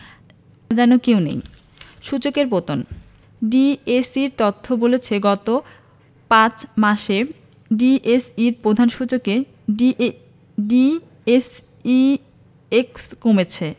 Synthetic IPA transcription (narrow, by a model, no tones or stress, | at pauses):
d͡ʑɛnokewnḛj | ʃut͡ɕokeɾpot̪on | ɖiesiɾt̪ot̪ʰːobolet͡ɕʰeɡɔt̪o | pãt͡ɕʰmaʃe | ɖiʔesiɾpɾod̪ʱanʃut͡ɕoke | i | ɖi | es | i | ekskomet͡ɕʰe